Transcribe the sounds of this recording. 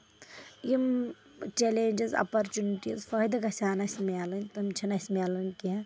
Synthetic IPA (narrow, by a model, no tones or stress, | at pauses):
jim | t͡ʃeleːnʲd͡ʒizɐ̰pɐɾt͡ʃuniʈizfɐd̪ɐɡɐsʲaːnɐsʲmʲelɐnʲt̪ɐmt͡ʃʰɐnɐsʲmʲelɐnʲkia